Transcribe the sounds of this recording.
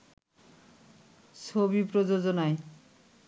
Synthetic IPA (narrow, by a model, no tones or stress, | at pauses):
sʰobipɾod͡ʑod͡ʑonae